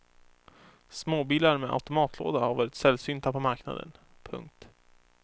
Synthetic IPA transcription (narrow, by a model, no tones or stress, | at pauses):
smoːbiːlaɾmɛʔa̰ʉt̪ʊmɑːt̪ʰlo̰ːd̪ahavɛːɾɪt̪sɛlsyːnt̪ʰapʰɔmaɾkna̰d̪ə̰n | pʰɵ̰ŋk̚t̪